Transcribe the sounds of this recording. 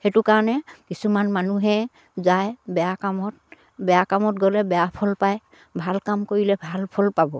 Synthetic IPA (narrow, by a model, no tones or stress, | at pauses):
hɛtukaɹɔnɛkisumanmanuɦɛ̃ | zajbɛjakamɔt̚ | bɛjakamɔt̚ɡɔlɛbɛjapʰɔlpaj | bʱalkamkoɹilɛbʱalpʰɔlpabɔ